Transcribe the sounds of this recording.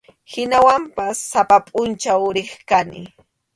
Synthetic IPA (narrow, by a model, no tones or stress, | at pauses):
hɪnawampasːapapʼʊnt͡ʃaʊɾɪχkanɪ̰